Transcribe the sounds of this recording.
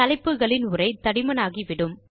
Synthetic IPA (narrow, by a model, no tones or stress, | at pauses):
ɐlɐɪpːɯɣɐɭɪnʊrɐɪt̪ɐɽɪmɐnaːɣiʋɪɽɯm